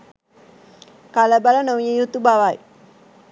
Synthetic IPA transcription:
kaləbalənoʋijejut̪ubaʋaj

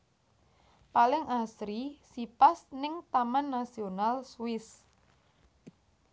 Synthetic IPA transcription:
palɪŋʔasɾisipasnɪŋt̪amanːasionalswɪs

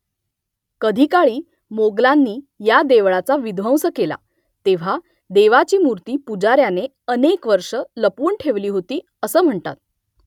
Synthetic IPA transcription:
kəd̪ʱiːkaɭiː | moɡlanːiːjad̪eʋɭat͡saʋid̪ʱʋə̃wsəkela̰ | t̪eʋ̤a | d̪eʋat͡ɕiːmuɾt̪iːpud͡zaɾjane | ənekʋəɾʂələpuːɳʈʰeʋliːɦot̪iː | əsəːm̤əɳt̪a̰t̪̚

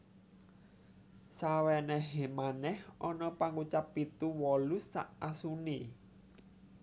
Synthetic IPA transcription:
sawɛnɛɦɛmanɛhʔɔnɔpaŋut͡ʃapːit̪uwɔlusa̰ʔasuni

